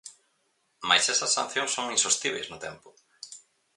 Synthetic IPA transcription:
majsɛsɐsːa̰n̟θjõŋsːoŋĩnsost̪iβḛjznʊt̪ɛmpʊ̥

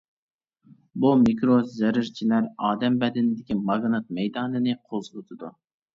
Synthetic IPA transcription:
bumikɾozɛɾɪɾt͡ʃʰilæɾɑːd̪ɛmbɛd̪ɪnɪd̪ɪkʲimɑɡnɨt̪̚mɛjd̪ɑːnɨnɨqʰozʊt̪ʰɨd̪u

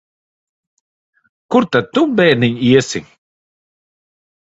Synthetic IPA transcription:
kuɾt̪at̪ːubɛːɾniɲiɛsḭ

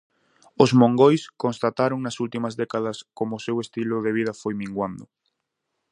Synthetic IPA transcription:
ʊzmõŋɡojskõnst̪at̪aɾoŋnɐsult̪imɐzðɛkaðɐskomʊːsewest̪ilʊðeβ̞ið̞ɐfojmĩŋɡwand̪ʊ̰

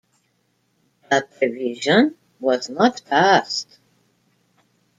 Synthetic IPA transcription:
əpʰɛviʒə̃n | wʌznətpʰast

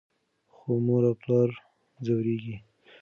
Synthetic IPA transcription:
xomoɾaplɑɾ | zawɾeɡi

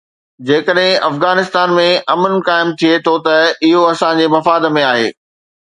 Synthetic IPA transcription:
d͡ʑeːkəɗɦɪ̃ɐfɣaːnɪst̪aːnmẽʔɐmənkaːɪmt̪ʰiet̪ʰot̪ɐɪɦoɐsãd͡ʑeːmɐfaːd̪mẽaːɦḛː

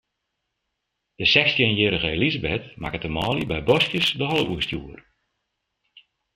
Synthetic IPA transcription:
d̥əsɛxstjənjɪɾəɣəlizəbɛtma̰kətəmɔːlibɛjbɔskjəsdəhɔlˠəʔuəstjuər

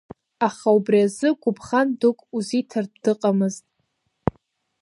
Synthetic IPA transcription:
aχaubriazɨɡʷʊpʰʼχandukʷʼuzitʰar̚dɨqʼamɨztʼ

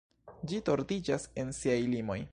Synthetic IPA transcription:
d͡ʒito̞ɾdid͡ʒase̞nsiajlimo̞j

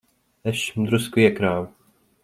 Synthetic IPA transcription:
ɛʃmd̪ɾuskujɛkɾaːw

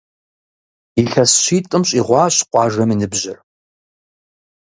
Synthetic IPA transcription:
iɬɐsɕiːtʼɨmɕʼiːʁʷɑːɕqʷɑːʒɐminɨbʑɪr

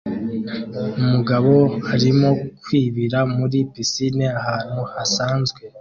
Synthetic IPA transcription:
umuɡaβo̞haɾimo̞kwiːβiɾamuɾipisineahaːn̥huhasaːnzɡwe̞

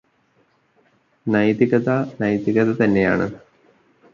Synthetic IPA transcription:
nɐjt̪iɣɐt̪ɐnɐjt̪iɣɐðɐt̪ɐnːe̞ja̰ːɳɨ

